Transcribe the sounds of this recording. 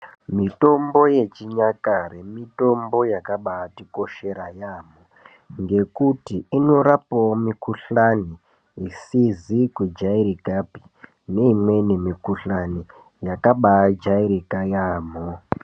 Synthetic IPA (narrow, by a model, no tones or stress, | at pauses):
mito̞mbo̞je̞t͡ʃiɲakaremito̞mbo̞jakaɓaːtiko̞ʃe̞ɾajaːmo | ŋɡe̞kutiino̞ɾapawomikuɬani | isizikwed͡ʒaiɾikapi̥ | ne̞imwe̞ne̞mikuɬani | jakaɓad͡ʒaiɾikajaːmo